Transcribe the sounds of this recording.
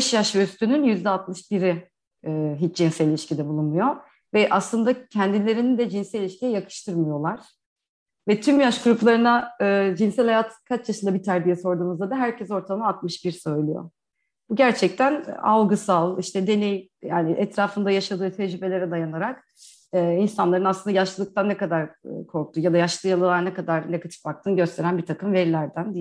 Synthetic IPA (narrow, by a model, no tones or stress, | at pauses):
ɛʃjaʃøst̪ynynjyzd̪ɛat̪mˠɯʃbiɾiː | ɦit͡ʃd͡ʒinsɛilʲiʃcid̪ɛbulˠunmujo̞ | vɛʔaslˠɯnd̪acʰɛnd̪ilʲe̞ɾinind̪ɛd͡ʒinsɛilʲiʃcijɛjakʰɯ̥ʃt̪ʰɯɾmajo̞lˠaɾ̥ | vɛt̪ʰymjaʃkuɾuplˠaɾɯnaɯːd͡ʒinsɛlʲhajaːt̪ʰkʰat͡ʃjaʃɯnd̪abit̪ʰæɾd̪ijɛso̞ɾd̪uːmɯzd̪ad̪aɦæɾcʰɛso̞ɾt̪ʰamˠaat̪̚mɯʃbiɾsø̞jlʲˠyjo̰ | b̥uɟæɾt͡ʃʰɛc̚t̪ʰæna̰lˠɡɯsalˠiʃt̪ʰɛd̪e̞nejjaːniʔɛt̪ɾaːfɯnd̪ajaʃad̪ɯːt̪ʰɛd͡ʒɾybe̞lʲe̞ɾɛd̪ajanaɾak | ɯːinsanlˠaɾɯnaslɯnd̪ajaʃlɯlˠɯkt̪ʰanːɛkad̪aɾkʰo̞ɾk̚t̪ʰujad̪ajaʃlˠɯːjalˠɯlˠaɾnɛkʰad̪aɾneɡat̪ʰi̥fbak̚t̪ʰɯːnɟø̞st̪ʰe̞ɾænbit̪ʰakɯmvɛɾlʲæɾd̪ænd̪i